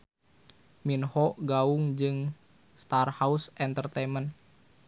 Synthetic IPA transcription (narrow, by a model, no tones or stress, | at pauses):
minhɔʔɡaʊŋd͡ʒɨŋ | st̪arhausʔɛnt̪ərt̪emən